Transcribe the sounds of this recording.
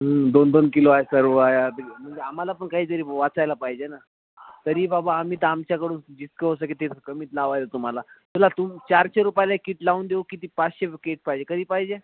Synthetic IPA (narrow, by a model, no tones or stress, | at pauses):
ɦəd̪ond̪onkiloaɦesəɾʋəajat̪əm̤əɳd͡zeam̤alapəɳkaɦiːt̪əɾiːʋat͡sajlapaɦid͡ʑena | t̪əɾiːbabaːm̤iːt̪amt͡ɕjakəɽuːnd͡ʑit͡skeosək̬it̪et̪kəmiːt̪laʋajlat̪um̤alat̪əlat̪umt͡ɕaɾɕeɾupajlaekiːʈlaund̪eokit̪iːpat͡sɕekeʈ̚paɦid͡ʑekəd̪iːpaɦid͡ʑe